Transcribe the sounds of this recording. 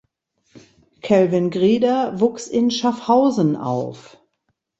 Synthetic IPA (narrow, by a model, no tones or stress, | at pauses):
kʰɛlvɪnɡʁiːdɐvuːksɪnʃafhaʊzn̩a̰ʊf